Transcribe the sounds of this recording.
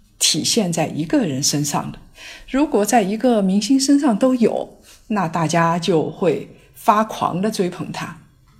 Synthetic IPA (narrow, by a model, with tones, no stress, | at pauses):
t̪ʰi˨˩ɕjɛ˥˧nt͡sa˥˩ɪʔi˧˥ɡə˧ɻə˧˥nʂə˥nʂɑ̰˥˩ŋd̪ə˩ɻu˧˥kwɔ˨˩t͡sa˥˩ɪi˧˥ɡə˧mi˧˥ŋɕi˥ŋʂə˥nʂɑ˥˩ŋt̪o˥ʊjo˨˩˦ʊ | na˥˧t̪a˥˩t͡ɕja˥t͡ɕjo˥˧ʊxwe˥˩ɪ | fa˥kʰwɑ̰˧˥ŋd̪ə˧t͡swe˥ɪpʰɤ̰˧˥ŋt̪ʰa˥